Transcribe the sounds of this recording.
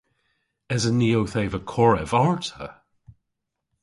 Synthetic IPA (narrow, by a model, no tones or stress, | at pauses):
ɛzəniːowθeɪvəkʰɔɹɛvaɹtʰə̰